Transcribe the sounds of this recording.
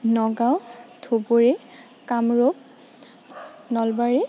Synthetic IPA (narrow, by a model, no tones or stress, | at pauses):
nɔɡawtʰoboɹɛ | kamɹop̚ | nɔlbaɹɛ